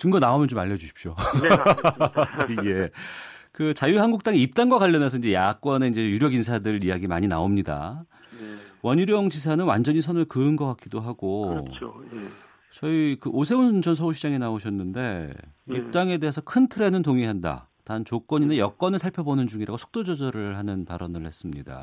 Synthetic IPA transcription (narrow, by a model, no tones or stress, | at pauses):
tɯŋɡʌnaomjʌnt͡ɕomaʎːjːʌd͡ʑuɕʰi̥p̚ɕ͈o | je̞ | kɯt͡ɕajuhanɡuk̚t͈aŋiip̚t͈aŋɡwakaʎːʌnesʰʌind͡ʑe̞jak͈̚wʌne̞ind͡ʑe̞juɾjʌɡinsʰadɯijaɡimaɲina̰omɲida̰ | wʌɲuɾjʌŋd͡ʑis̬ʰanɯnwand͡ʑʌɲis̬ʰʌnɯɭkɯɯnɡʌk͈ak͈̚idoɦaɡ̥o | t͡ɕʌikɯʔosʰe̞und͡ʑʌnsʰʌuɕʰid͡ʑaŋinaoɕʰʌnːɯnde̞ip̚t͈aŋe̞de̞ɦesʰʌkʰɯntʰɯɾe̞nɯntoŋiɦanda̰tant͡ɕok͈ʌɲinajʌk͈wʌnɯɭsʰaɭpʰjʌbonɯnd͡ʑuŋiɾaɡosʰo̥k̚t͈od͡ʑʌd͡ʑʌɾɯɭhanɯnpaɾʌnɯɭhe̞s͈ɯmɲida̰